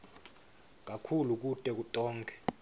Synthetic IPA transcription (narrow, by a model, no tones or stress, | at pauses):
k̬ʼakʰuluk̬utʼɛk̬utʼɔːŋkʰʼɛ̥